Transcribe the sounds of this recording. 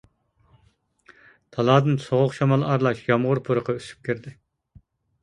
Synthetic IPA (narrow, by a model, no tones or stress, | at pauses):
t̪ʰɑlˠɑːd̪ɨnsoʁʊqʃɑmɑlˠɑɾlˠɑʃjɑmʁʊɾpʰoɾəqʰɑysy̥p̚kʲʰiɾd̪ɪ